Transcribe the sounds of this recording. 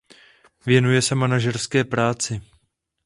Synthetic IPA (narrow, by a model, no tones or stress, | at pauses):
vjɛnujɛsɛmanaʒɛrskɛːpɾaːt͡sɪ